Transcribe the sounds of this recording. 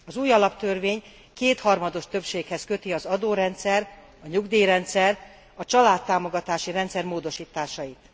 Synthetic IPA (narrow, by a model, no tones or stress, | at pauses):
ɒzuːjɒlɒpt̪ørveːɲ | keːt̪hɒrmɒd̪o̞ʃt̪ø̞pʃeːkhɛskø̞t̪iɒzɒd̪oːɾɛnt̪sɛr | ɒɲuɡd̪iːɾɛnt̪sɛr | ɒt͡ʃɒlaːt̪ːaːmo̞ɡɒt̪aːʃiɾɛnt̪sɛrmoːd̪o̞ʃiːt̪aːʃɒjit̪